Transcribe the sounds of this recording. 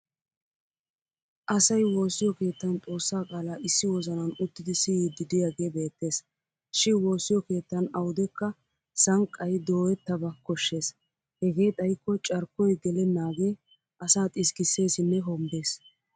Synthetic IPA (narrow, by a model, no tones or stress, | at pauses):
ʔɐsɐjwo̞ːsɪjɔke̞ːt̪ːɐnt͡sʼo̞ːsːaːkʼaːlaːʔɪsːɪwɔzɐnɐnʊt̪ːɪd̪ɪsɪjid̪ɪd̪ɪjaɡe̞ːbe̞ːt̪ːe̞ːs | ʃɪnwo̞ːsːɪjɔke̞ːt̪ːɐnɐwʊd̪ɛkːɐ | sɐŋkʼːɐjd̪o̞ːɛt̪ːɐbɐkːɔʃːe̞ːs | hɛɡe̞ːt̪ʼɐjkːɔt͡ʃʼɐɾkːɔjɡɛlɛnːaːɡe̞ː | ʔɐsaːt̪ʼɪskɪsːe̞ːsɪnːɛɦɔmbeːs